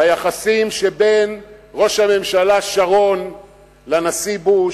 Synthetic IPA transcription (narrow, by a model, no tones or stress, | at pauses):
ajaχasimʃebenʁo̞ʃhame̞mʃalaʃaʁo̞n | lanasibu